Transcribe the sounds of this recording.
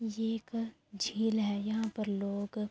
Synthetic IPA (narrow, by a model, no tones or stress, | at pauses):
jeːk | d͡ʒʱiːlɦɛːjɐɦãpɐɾloːɡ